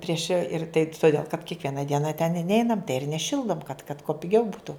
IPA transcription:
ˈpʲrʲiɛʃ ɪr tɐɪ tʊˈdʲeːlˠ kɐt kʲiɛkˈʋʲiɛnɐ ˈdʲiɛnɐ tʲɛn ɪ ˈnʲɛɪnɐm ɪr nʲɛˈʃʲɪlˠdoːm kɐt kɐt kuɔ pʲɪˈɡʲɛʊ ˈbuːtʊ

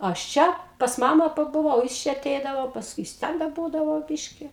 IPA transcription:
ˈɐʃ ˈt͡ʃʲɛ ˈpɐs ˈmɑːmɑː pɐbʊˈʋɐʊ jɪs ˈt͡ʃʲɛ ɐˈtʲɛɪdɐʋoː pɐsˈkʊɪ jɪs ˈtʲɛn dɐ ˈbuːdɐʋoː ˈbʲɪʃʲkʲɪ

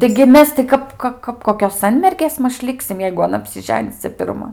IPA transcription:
tɐɪɡʲɪ ˈmʲɛs tʲɪ ˈkɐp ˈkɐ kɐp ˈkoːkʲoːs ˈsɐnʲmʲɛrʲɡʲeːs ˈmɐʃ ˈlʲɪksʲɪm jɛɪɡʊ ɐˈnɐ ɐpʲsʲɪˈʒʲæːnʲɪs ˈt͡sʲɛ pʲɪrˈmɐ

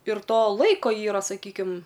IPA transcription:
ɪr ˈtoː ˈlˠɐɪkoː ˈiːrɐ sɐˈkʲiːkʲɪm

